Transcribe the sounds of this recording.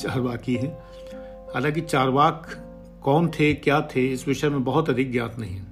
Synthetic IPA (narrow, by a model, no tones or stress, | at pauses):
t͡ʃaːɾʋaːkiɦɛ̃ː | haːlãk̬it͡ʃaːɾʋaːkː | ɔːnt̪ʰekjaːt̪ʰeɪsʋɪʃəmẽbɐɦʊt̪ɐd̪ɪk̚ɡja̰ːt̪nɐɦĩɦɛ